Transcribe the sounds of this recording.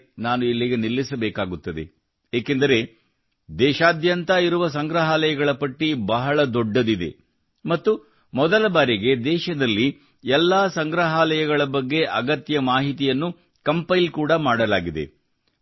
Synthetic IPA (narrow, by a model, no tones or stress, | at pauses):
naːnuilːiɡenilːisɐbɛːkaːɡut̪ːɐd̪ḛ | eːke̞nd̪ɐɾe̞ | d̪ɛːʃaːd̪jɐnt̪ɐiɾuʋɐsɐŋɡɾɐɦaːlɐjɐɡɐɭɐpɐʈːibɐɦɐɭɐd̪ɔɖːɐd̪id̪e̞̰ | mɐt̪ːu | mɔd̪ɐlɐbaːɾiɡe̞d̪ɛːʃɐd̪ɐlːi | ɛlːaːsɐŋɡɾɐɦaːlɐjɐɡɐɭɐbɐɡːe̞ʔɐɡɐt̪jɐmaːɦit̪ijɐnːu | kɐmpɐjlkuːɽɐmaːɽɐlaːɡid̪ḛ